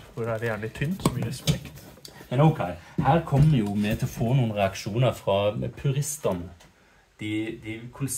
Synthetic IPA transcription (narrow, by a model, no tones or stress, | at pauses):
fɔd̪æd̪ɛjænlɪt̪ʰynt̪sɔmyːspɛkt̪ | mɛnɔʊkʰɛɪhæːɾkʰɔmːəjʊmɛt̪ʰɪlɔfoːnuːən̩ʁɛɑkʃuːnəɾfʁɑpʰʉɾɪst̪ənə | d̪̥ɪd̪ɪkʰʊls